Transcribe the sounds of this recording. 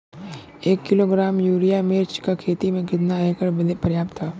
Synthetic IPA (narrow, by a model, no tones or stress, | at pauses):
eːkːɪloɡɾaːmjuːɾijameːɾt͡ʃkakʰeːt̪imẽkɪt̪naɛkəɽbəd̪epəɾjaːp̚t̪ʰːaː